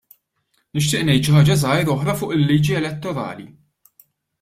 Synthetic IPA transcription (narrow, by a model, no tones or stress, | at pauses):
nɪʃ̬t̪ɪːʔnɛjt̪ʃɪhɐːd͡ʒɐzɐjɾɔħɾɐfʊːʔɪlːiːd͡ʒiɛlɛt̪ːɔɾɐ̰ːlḭ